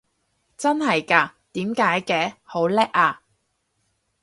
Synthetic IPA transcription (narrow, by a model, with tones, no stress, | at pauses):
t͡sɐ˥nhɐ˨jkaː˧t̪iː˨˥mkaː˨˥jkɛː˧ho˨˥wlɛ˥k̚aː˧